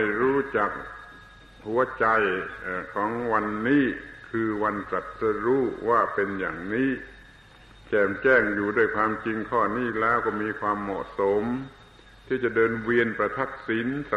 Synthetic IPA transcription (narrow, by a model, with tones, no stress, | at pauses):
jɾuː˦˥t͡ɕa˨˩k̚ | hu˩˦ɐt͡ɕa˧jʔːkʰɔː˩˦ŋwa˧nːiː˦˥˩kʰɯː˧wa˧nsa˨˩t̪̚sa˧ɾuː˦˥waː˥˩pe˧nja̰ː˨˩ŋniː˦˥˨ | t͡ɕɛː˨˩mt͡ɕɛː˥˩ŋjuː˨˩du˥˩əjkʰwaː˧mt͡ɕi˧ŋkʰɔː˥˩niː˥˩lɛː˦˥wkɔː˥˩miː˧kʰwaː˧mːɔ̰˨˩ʔso˨˩˦m | t̪ʰiː˥˩t͡ɕa˨˩dɤː˧nwi˧ənpɾa˧t̪ʰa˦˥˩k̚si˩˦nsa˧